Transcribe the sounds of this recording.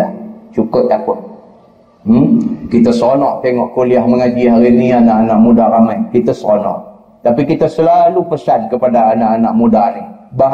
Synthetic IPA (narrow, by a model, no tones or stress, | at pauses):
at͡ʃukʊt̪̚lahpʊn | m̩kit̪əsonɔʔt̪eŋɔʔkoliahməŋad͡ʒiɦaɾinianaʔanaʔmudaɾamajkit̪asonɔ̰ʔ | t̪apikit̪asəlalupəsan̚kəpadaːnaʔːnaʔmudaniba